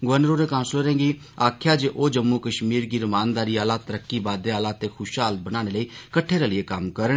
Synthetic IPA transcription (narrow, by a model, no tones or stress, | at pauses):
ɡʊʋənɾoːɾeːkãːnsloːɾẽːɡiː | aːkʰjaːd͡ʒeʔoːd͡ʒəmːuːkəʃmiːɾɡiːɾʊmaːnd̪aːɾiːaːlaːt̪əɾəkːiːbaːd̪eːaːlaːt̪eːxʰʊʃaːlt̪̚bəñaːɽ̃eːləiːkəʈʰeːɾaːlɪeːkɐmkəɾəɽ